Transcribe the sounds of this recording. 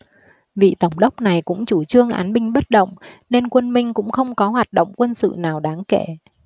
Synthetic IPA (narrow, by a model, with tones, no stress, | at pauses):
vḭ˧˨t̪ə˧˩wŋ͡mɗə˦˥wk͡p̚na˨˩jkʊ̰˧˥ŋ͡mt͡ɕu˧˩t͡ɕɨ˧əŋʔa̰ː˨˦nɓï˧ŋ̟ɓə˦˥t̚ɗə̰˧˨wŋ͡mne˧nkwə˧nmï˧ŋ̟kʊ̰˧˥ŋ͡mxə˧wŋ͡mkɔ˨˦ɦwaː˨˩t̚ɗə̰˧˨wŋ͡mkwə˧nsɨ̰˧˨naː˨˩wɗaː˨˦ŋke˧˩˨